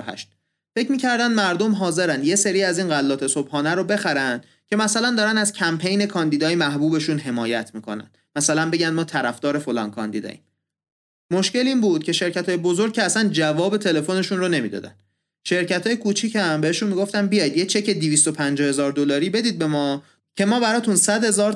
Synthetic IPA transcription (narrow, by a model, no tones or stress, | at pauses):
ɦæ̰ʃt̪̚ | fecmiːcʰæɾd̪ænd̪mæɾd̪o̞mɦɒːze̞ɾænd̪je̞se̞ɾiːæziːnɢælːɒːt̪ʰe̞sobhɒːnæɾobe̞xæɾænd̪̥ | cʲʰe̞mæsælænd̪ɒːɾænæz̥cʰæmpʰe̞jne̞kʰɒnd̪id̪ɒːjemæɦbuːbe̞ʃunɦe̞mɒːjæt̪ʰmiːkʰo̞̰næ̰nd̪mæsælænbe̞ɟænd̪mɒːt̪ʰæɾæfd̪ɒːɾe̞fo̞lɒ̰ːnkʰɒ̰nd̪ḭd̪ɒ̰ːjḭːm | mo̞ʃce̞liːnbuːd̪̥̚cʰe̞ʃe̞ɾcæt̪ʰɒːje̞bozoɾɡ̚cʰeæsænd͡ʒævɒːbe̞t̪ʰe̞le̞fo̞ne̞ʃunɾone̞miːd̪ɒ̰ːd̪æ̰n | ʃe̞ɾcæt̪ʰɒːje̞kʰuːt͡ʃʰicʰæmbe̞heʃunmiɡo̞ft̪ænbijɒːjid̪jet͡ʃʰe̞cʰe̞d̪iviːst̪opʰænd͡ʒhe̞zɒːɾd̪olɒːɾiːbe̞d̪iːd̪̚be̞mɒː | cʲʰe̞mɒːbæɾɒːt̪ʰunsæd̪hezɒːɾ